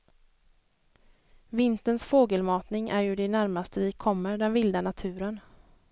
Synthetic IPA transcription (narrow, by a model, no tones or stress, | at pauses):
vɪnt̪ənsfoːɡəlmɑːt̪nɪŋʔæɾjɵɖɛnæɾmast̪əvɪkʰɔmːəɾɖɛnvɪld̪anat̪ʰʉ̟ːɾən